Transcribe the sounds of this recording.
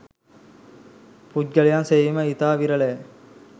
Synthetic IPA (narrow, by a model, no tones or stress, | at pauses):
pudɡɐlijanseiməit̪aːʋiɾəle